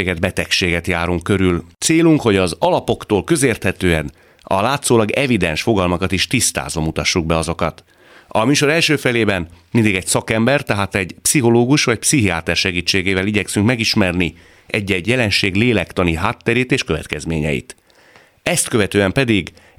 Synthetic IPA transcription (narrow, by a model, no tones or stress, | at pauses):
eːɡɛd̪bɛt̪ɛkʃeːɡɛt̪jaːɾuŋkkːø̞ɾylt̪seːluŋkho̞ɟɒzɒlɒpo̞kt̪oːlkø̞zeːrt̪hɛt̪øːɛn | ɒ̰laːt̪soːlɒɡɛvid̪ɛnʃfo̞ɡɒlmɒkɒt̪iʃt̪ist̪a̰ːzomut̪ɒʃːuɡ̚bɛɒzo̞kɒt̪ | ɒmyːʃo̞ɾɛlʃøːfɛleːbɛnmind̪iɡɛcsɒkɛmbɛrt̪ɛɦaːt̪ɛɟpsiɦo̞loːɡuʃʋɒc̚psiɦiaːt̪ɛrʃɛɡiːt͡ʃːeːɡeːvɛliɟɛksyŋkmɛɡiʃmɛrni | ʔɛɟːɛɟjɛlɛnʃeːɡleːlɛkt̪ɒniɦaːt̪ːɛɾeːt̪eːʃkø̞vɛ̰t̪̚kɛzmeːɲɛ̰jḭt̪ | ɛst̪kø̞vɛt̪øːɛmpɛd̪iɡ